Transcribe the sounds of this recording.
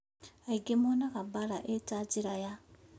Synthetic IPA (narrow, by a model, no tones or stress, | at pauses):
aiɡemonakabalaʔetaːd͡ʒiɾaja